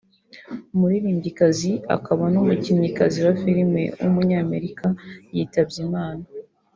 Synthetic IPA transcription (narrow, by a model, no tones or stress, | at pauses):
muɾiɾiːmbikazia̰kaβanomuciɲikaziwafiɾime̞̰wṵmuɲɲaːme̞ɾikajiːtabɟimaːna